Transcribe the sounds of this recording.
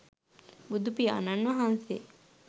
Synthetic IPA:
bud̪upia̰nanʋɐɦanse

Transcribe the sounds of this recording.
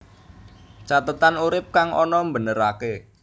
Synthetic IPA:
t͡ʃat̪ət̪anuɾɪp̚kaŋʔɔnɔmbənəɾake

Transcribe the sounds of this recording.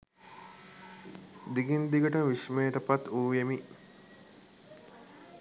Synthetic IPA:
d̪iɡind̪iɡəʈəʋismeːʈəpat̪uːjemi

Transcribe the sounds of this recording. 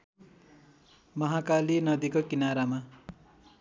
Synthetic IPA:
mʌɦakalinʌd̪ikokinaɾama

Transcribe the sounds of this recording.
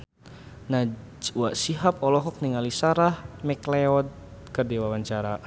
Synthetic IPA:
na | waʔsiɦapɔlɔɦɔk̚niŋalisaɾahmɛklɛɔd̪̚kərdiwawaɲt͡ʃaɾa

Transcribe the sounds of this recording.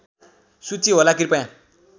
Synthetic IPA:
sut͡siɦolakiɾipʌjã

